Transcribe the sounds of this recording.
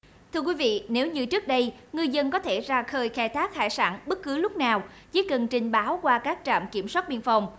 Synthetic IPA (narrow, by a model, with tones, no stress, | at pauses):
t̪ʰɨ˧ək̬wi˨˦vḭ˧˨ne˨˦wɲɨ˧t͡ɕɨ˦˥ək̚ɗə˧jŋɨ˧jzə˧nkɔ˨˦t̪ʰe˧˩zaː˧˩xəː˧jxaː˧˩jt̪ʰaː˦˥k̚ha̰ː˧˩jsaː˧˩nɓə˦˥t̚kɨ˨˦lʊ˦˥k͡p̚naː˨˩w | t͡ɕḭ˧˨˥kə˨˩nt͡ɕï˨˩ŋ̟ɓaː˨˦wkwaː˧kaː˦˥k̚t͡ɕa̰ː˧˨mki˧˩əmswaː˦˥t̚ɓḭ˧˨ənfa˧˩wŋ͡m